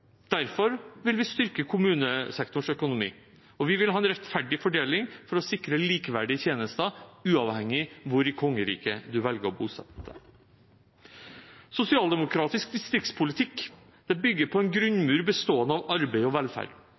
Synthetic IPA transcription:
d̪̥æɾfɔɾʋɪlʋɪst̪ʏɾkəkʰʊmʉːnəsɛkt̪ʊɳʂœkʊnʊmḭː | ɔʋɪʋɪlhɑːɛnɾɛt̪fæɖɪfɔɖeːlɪŋfɔɾɔsɪkɾəliːkəʋæɖɪt̪ʰjeːnəst̪ɑʉːɑʋhɛŋːɪʋʊɾɪkʰɔŋːəɾḭːkəd̪ʉʋɛlɡəɾɔbuːsɛ̰t̪ə̰ | sʊsɪɑːld̪ɛmʊkʰɾɑːt̪ɪsk̚d̪ɪst̪ɾɪk̚t̪spʰʊlɪt̪ʰɪk | d̪̥ɛbʏɡːəɾpʰɔɛnɡɾʉnmʉːɾbəst̪oːənɑʋɑɾbeɪɔʋɛlfæ̰ːɖ

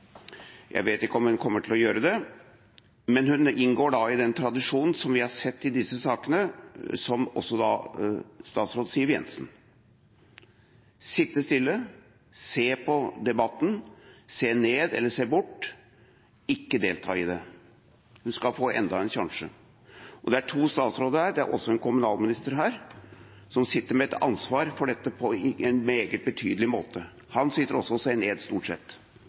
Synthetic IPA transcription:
jʔæ̰ɪʋeːt̪ɪkːəɔmhʉnkʰɔmːəʈʰɪlɔjøːɾəd̪ɛ | mɛnhʉnɪnɡoːɖɑɪd̪ɛnt̪ʰɾɑd̪ɪʂuːnn̩sɔmʋɪhɑsɛt̪ːɪd̪ɪsəsɑːkənəsɔmɔ̰sːɔd̪ɑ̰ | st̪ɑːt̪sɾoːd̪siːəɾjɛ̰nsn̩ | sɪt̪ːəst̪ɪlːə | seːpʰɔd̪ɛbɑt̪ːn̩seːneːd̪ɛ̰lːəseːbʊʈː | ɪkːəd̪eːlt̪ʰɑ̰ːɪd̪ɛ | hʉnskɑlfoːʔɛ̰nd̪ɑɛnçɑŋʂə̰ | ʔɔd̪ɛæʈʰuːst̪ɑːt̪sɾoːd̪əɾhæːɖɛæ̰ɾʔɔ̰sːɔɛnkʊmʉnɑːlmɪnɪst̪əɾɦæːɾ | sɔmsɪt̪ːəɾmɛɛt̪ɑ̰nsʋɑːɾfɔɖɛt̪ːəpʰɔɪɛnmeːɡət̪̚bət̪ʰyːd̪əlɪmoːt̪ə | hɑnsɪt̪ːəɾɔsːɔɔseːneːd̪st̪uːʈsɛ̰t̪ː

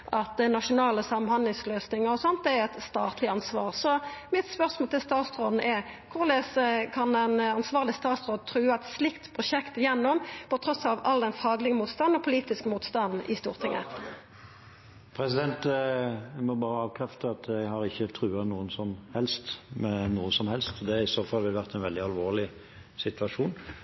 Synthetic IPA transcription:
ʔɑt̪ɛnɑʂʊnɑːləsɑmənhɑnlɪŋsløːsnɪŋəʁɔsɔnt̪̚d̪ɛæɾɛt̪st̪ɑːt̪ʰlɪɑnsʋɑːʁsɔmɪt̪spœʁsmoːlt̪ʰɪlst̪ɑːt̪sɾoːd̪n̩ʔɛɾkʰʊʁleːsəkʰɑnɛnɑnsʋɑːʁlɪst̪ɑːt̪sʁoːd̪̚t̪ʰʁʉːəɛt̪slɪkt̪pʰʁʊʂɛkt̪ɪjɛnːɔmpɔt̪ʰɾɔsɑʋɑld̪ɛnfɑːɡlɪɡəmuːt̪st̪ɑnɔpʰʊliːt̪ɪskəmuːt̪st̪ɑnd̪n̩ʔɪ̰st̪ṵːʁt̪ʰɪŋːə̰ | pʰɾɛsɪd̪ɛnt̪ | mɔbɑːʁəɑːʋkʰʁɛft̪əɑt̪ʰjæɡhɑɾɪçːət̪ʰɾʉːɑnuːənsɔmhɛlst̪mɛnuːəsɔmhɛlst̪ɔd̪ɛæɪsoːfɑlʋɪlʋæʁt̪ɛnʋɛld̪ɪɑlʋoːʁlɪ | sɪt̪ʰʋɑʂuːn

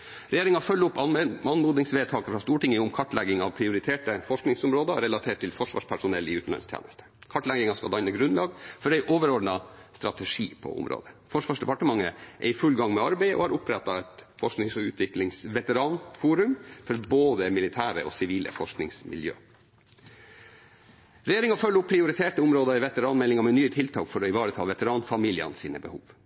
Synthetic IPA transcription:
ɾɛjeːɾɪŋɑfœlːʊpːɑɑnmuːd̪nɪŋsʋeːt̪ʰɑːkəfɾɑst̪uːʈɪŋəʊmkʰɑʈlɛɡɪŋɑʋpʰɾɪʊɾɪt̪ʰeːʈəfɔʂknɪŋsʊmɾoːd̪ɑɾɛlɑt̪ʰeːʈʰːɪlfɔʂʋɑ̰ːʂpʰæʂʊnɛlːɪʉːt̪n̩ɑ̰nst̪ʰḛːnəst̪ə̥kʰɑʈlɛɡɪŋɑskɑd̪ɑɪnəɡɾʉnlɑːɡfɔɖɛɪʔoːʋəɾɔɖnɑst̪ɾɑt̪əʂiːpʰɔ̰ʊ̰mɾo̰ːd̪əfɔʂʋɑːʂd̪ɛpɑʈəmɑŋːə̰ʔɛ̰ɾɪfʉlɡɑŋmɛɑɾbæɪʔɔ̰hɑɾʊpɾɛt̪ːɑɛt̪fɔʂknɪŋsɔʉːt̪ʰʋɪklɪŋsʋɛt̪əɾɑːnfuːɾʉmfɔɾboːd̪əmɪlɪt̪ʰæːɾə̰ɔsɪʋiːlʔə̰fɔʂknɪŋsmɪ̰ljø̰ː | ɾɛjeːɾɪŋɑfœlːʊpʰːɾɪʊɾɪt̪ʰeːʈəʊmɾoːd̪ɑɪʋɛt̪əɾɑːnmɛlːɪŋɑmɛnyːət̪ʰɪlt̪ʰɑ̰ːkfɔɾɔɪʋɑːɾət̪ʰɑːʋɛt̪əɾɑːnfɑmiːlɪə̰nsiːnəbəhuːʋ

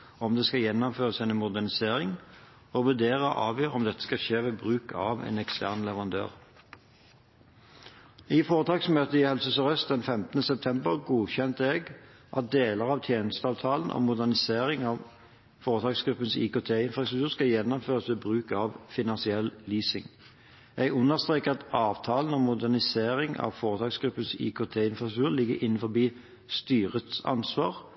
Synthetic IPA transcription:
ɔmd̪ɛskɑjɛnːɔmføːʁəsæɪnmʊd̪æʁnɪseːʁɪŋ | ɔʋʉd̪eːʁəɔ̰ʔɑ̰ːʋjøːʁɔmd̪ɛt̪ːə̥skɑʃeːʋeːbʁʉːkʰɑːʋḛːnɛkst̪ʰæʁnlɛʋəʁɑnd̪ø̰ːʁ | ɪfoːʁət̪ʰɑːksmøːt̪əɪhɛlsəsɔʁœst̪̚d̪ɛnfɛmt̪ənəsɛp̚t̪ʰɛmbəʁɡuːçɛnt̪ɛɡ | ʔɑt̪̚d̪eːləʁɑʋt̪ʰjeːnəst̪əɑːʋt̪ʰɑːlnʔɔ̰mʊd̪æʁnɪseːʁɪŋɑʋ | foːʁət̪ʰɑːɡsɡ̥ɾʉpːənsḭːkot̪ʰeːɪnfɾɑst̪ɾʉkt̪ʉːʁskɑljɛnːɔmføːʁəsʋɪbʁʉːkɑʋfɪnɑnsɪɛllyːsɪŋ | ɛɡʉnːəʁst̪ʁeːkəɑt̪ɑːʋt̪ʰɑːln̩ɔmːʊd̪æʁnɪseːʁɪŋɑ̰ʋfoːʁət̪ʰɑːksɡ̥ɾʉpːənsḭːkʰot̪ʰeːɪnfʁɑst̪ʰʉːʁlɪɡːə̰ɾʔɪnːənfɔʁbiː | st̪yːʁət̪sɑ̰nsʋɑ̰ːʁ

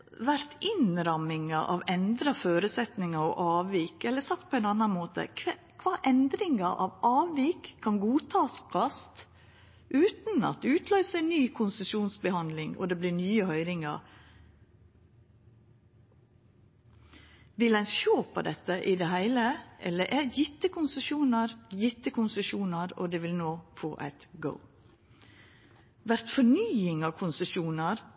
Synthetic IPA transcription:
ʋæɾt̪ʰɪnɾɑmɪŋɑʔɑ̰ʋɛnd̪ɾɑføːɾʉsɛt̪nɪŋɑo̰ʔɑːʋʋiːkɛlːəɾsɑk̚t̪̚pʰɔɛɪnɑnɑnmoːt̪ə̰ | kʰʋɑːʔɛnd̪ɾɪŋɑʔɑʋɑːʋʋiːkʰːɑnɡuːt̪ʰɑːskʰɑst̪ | ʔʉːt̪n̩ɑ̰t̪̚ːʉːt̪ʰlœʏsəæɪnnːyːkʰʊnsəʃuːnsbəhɑnd̪lɪŋɔ̰d̪eːbliːnyːəhœʏɾɪŋɑ̰ | ʋɪlæɪnʃoːpʰo̰d̪ɛt̪ːəʔɪd̪ehæɪləʔɛlːəʔɛjɪt̪ːəkʰʊnsəʃuːnəɾjɪt̪ːəkʰʊnsəʃuːnəɾo̰d̪eːʋɪlnoːfo̰ːʔæ̰ɪt̪ɡə̰ʊ | ʋæɾt̪fɔɳyːɪŋɑːkʰʊnsəʃuːnəɾ

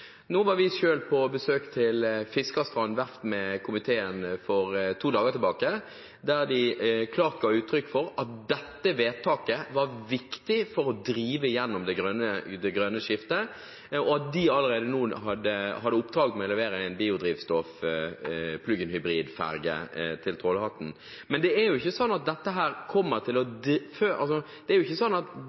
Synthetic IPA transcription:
noːʋɑɾʋɪʃøːlpʰɔbəsøːkt̪ʰɪlfɪskɑst̪ɾɑnʋæɾt̪mɛkʰʊmɪt̪ʰeːənfɔɾt̪ʰuːd̪ɑːɡət̪ʰɪlbɑːkə | d̪æɾd̪ɪkʰlɑːɾt̪̚ɡɑːʉːt̪ʰɾʏkːfɔɾɑt̪̚d̪ɛt̪ːəʋeːt̪ʰɑːkəʋɑɾʋɪkt̪ɪfɔɾɔd̪ɾiːʋəɪjɛnːɔmd̪ɛɡɾœnəd̪ɛɡɾønəʂɪft̪ə | ɔɑt̪̚d̪ɪɑləɾeːd̪ənuːɦɑd̪əhɑd̪ːəʊpd̪ɾɑːɡ̪mɛɔlɛʋeːɾəæɪnbiːʊd̪ɾiːʋst̪ɔf | pʰlʉːɡənhʏbɾiːd̪fæ̰ɾɡə̰t̪ʰɪlt̪ʰɾɔːləhɑt̪ːn̩ | mɛnd̪ɛæɾjʊɪçːəsɔnːɑt̪̚d̪ɛt̪ːəɦæːɾkʰɔmːəɾt̪ʰɪlɔd̪føɑlsɔd̪̥ɛæɾjʊɪçːəsɔnːɑt̪

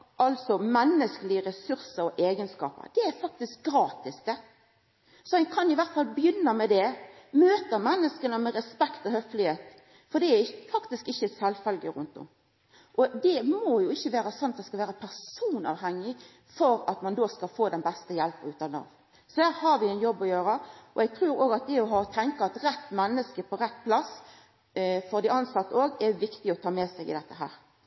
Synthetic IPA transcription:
ʔɑlsɔmɛnːəskəlɪəɾɛsʉɾsəɾɔʔeːɡənskɑ̰ːpə̰d̪̥ɛæɾfɑk̚t̪ɪsk̚ɡɾɑːt̪ɪsd̪ɛ | sɔhɛkʰɑnɪʋæɾt̪fɑlbjʏnːəmɛd̪ɛmøːt̪əmɛnːəskənəmɛɾɛspɛkt̪ɔhœflɪheːt̪ | fɔd̪ɛæɪfɑkt̪ɪskɪçːəsɛlfœlɡəɾʉ̰nt̪ʊ̰m | ʔɔd̪ɛmɔjʊɪçːəʋæːɾəsɔnːɑt̪̚d̪ɛskɑlʋæːɾəpʰæʁssuːnɑ̰ːʋhæŋːɪ | fɔɾɑt̪mɑnd̪oːskɑlfoːd̪ɛnbɛst̪əjɛlpəʉːt̪ɑnɑ̰ːʋ | sɔhæːɾhɑɾʋɪɛnjɔbːɔjøːɾəʔɔ̰ɛɡ̚t̪ʰɾʉːɾoːɡɑt̪̚d̪ɛɔɦɑːɔt̪ʰɛŋkəɑt̪ɾɛt̪ːmɛnːəskəpʰɔɾɛt̪ːpʰlɑs | fɔɾd̪ɪɑnsɑt̪ːəoːɡɛʋɪkt̪ɪɔt̪ʰɑːmɛsɛɪɡɪ̰d̪ɛt̪ːəɦæ̰ːɾ

